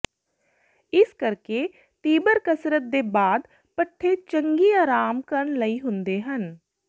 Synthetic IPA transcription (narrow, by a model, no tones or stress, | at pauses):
ɪskəɾkeː | t̪iːbəɾkəsɾət̪̚d̪eːbaːd̪ | pəʈʰːeːt͡ʃəŋɡiːaːɾaːmkəɾəɳləiːɦʊ̃nd̪eːɦən